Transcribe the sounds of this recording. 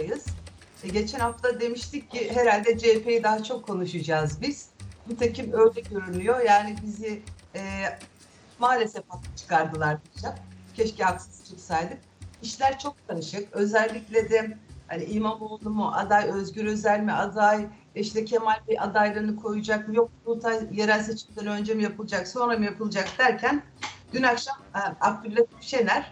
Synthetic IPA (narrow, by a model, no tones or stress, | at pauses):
ajɯz̥ | ɟe̞t͡ʃʰɛnhaft̪ad̪e̞miʃt̪ʰicːiɦeɾalʲd̪ɛd͡ʒepʰe̞jid̪aɦat͡ʃʰo̞kʰːo̞nuʃɯd͡ʒazbiz̥bit̪ʰecʰimøɾd̪ʲɛɟø̞ɾynʲyjo̞jaːnibiziɛː | maːlʲe̞sɛfat̪at͡ʃʰɯ̥kaɾd̪ɯlˠaɾbud͡ʒakcʰɛʃcɛaksɯ̥zt͡ʃʰɯksajd̪ɯk̚iʃlʲæɾt͡ʃʰo̞k̚t̪ʰanɯʃɯkø̞zɛælʲːicʲlʲed̪ɛhaniimamolˠd̪umuʔa̰d̪ajø̞zɟyɾø̞zælʲmiad̪aj | iʃt̪ɛcʰe̞malʲbiʔad̪ajlˠaɾɯnɯkʰo̞jud͡ʒakmjo̞k̚unut̪ʰanjeɾælʲse̞t͡ʃʰimd̪ʲɛnø̞nd͡ʒe̞mijapʰɯlˠɯd͡ʒakso̞nɾamɯjapʰɯlˠɯd͡ʒakd̪æɾcʰæn | ɟ̥ynakʃamak̚t̪ʰyɾt̪at̪ʰift͡ʃe̞næɾ̥